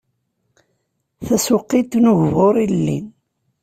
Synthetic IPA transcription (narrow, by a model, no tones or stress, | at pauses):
θæsʊqːit̪nʊʝvoɾˤilːḭn